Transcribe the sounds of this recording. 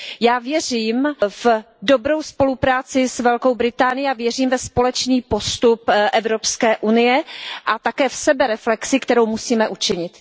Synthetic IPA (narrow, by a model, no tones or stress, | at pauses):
jaːvjɛriːmv | do̞bɾo̞wspo̞lupɾaːt͡sɪsvɛlko̞wbɾɪt̪aːnɪjavjɛr̝iːmvɛspo̞lɛt͡ʃniːpo̞st̪upʔɛvɾo̞pskɛːʔunɪjɛʔat̪akɛːfsɛbɛɾɛflɛksɪkt̪ɛɾowmusiːmɛʔut͡ʃɪɲɪt̪